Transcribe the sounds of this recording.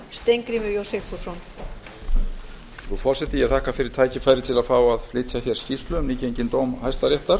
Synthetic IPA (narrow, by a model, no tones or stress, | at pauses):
st̪ejŋkɾimɪɾjowsɛfu̥sɔn | θufɔɾ̥sɛt̪ɪjɛt̪ʰaːhkafɪɾɪɾ̥t̪ʰaːjcɪfaːjɾɪt̪ʰɪlaðfaːwaðflɪːt̪ʰjaçɛɾ̥scist̪lʏmniːcejɲcɪnt̪oːwmhajst̪aɾjɛht̪aɾ̥